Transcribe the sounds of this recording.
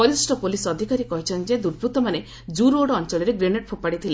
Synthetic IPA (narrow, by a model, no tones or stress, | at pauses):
ɔɾisʈɔpolisɔd̪ʱikaɾikɔɦit͡ʃʰɔnd͡ʒed̪uɾbɾut̪ɔmane | d͡ʒuɾoɽɔɔnt͡ʃɔɭiɾeɡɾeneʈ̚pʰupaɽit̪ʰile